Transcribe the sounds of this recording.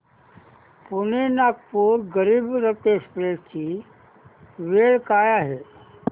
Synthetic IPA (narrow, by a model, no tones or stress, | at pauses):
punenaːk̚puːɾɡəɾiːbɾət̪eːspɾeːt͡ʃi | ʋeːɭkaːjaɦeː